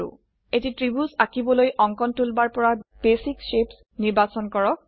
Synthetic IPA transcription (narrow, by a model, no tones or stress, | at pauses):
ṵ | etitɹibusakibɔlojʔɔŋkɔntulbaɹpɔɹab̥esikʃeps | niɹbasɔnkɔɹɔk̚